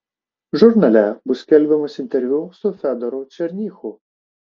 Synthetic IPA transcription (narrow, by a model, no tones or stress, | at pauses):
ʒʊrnɐlʲɛbʊskɛlʲʋemɔsʲint̪eɾʲʋʲusʊfɛd̪ɔɾʊt͡ʃerʲnʲixʊ